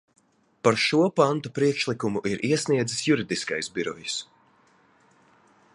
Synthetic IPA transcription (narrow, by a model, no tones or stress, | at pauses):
paɾʃuɔpant̪upɾiɛkʃlˠikumuʔiɾʔiɛsniɛd̪zisjuɾid̪iska̰jsbʲiɾɔ̰jis